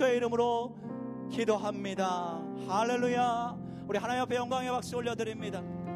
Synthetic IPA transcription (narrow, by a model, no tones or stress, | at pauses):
oeiɾɯmɯɾo | kidoɦamɲida | halːe̞ɭuja | uɾiɦanajʌpʰe̞jʌŋɡaŋe̞bak̚ɕ͈ioʎːʌdɯɾimɲida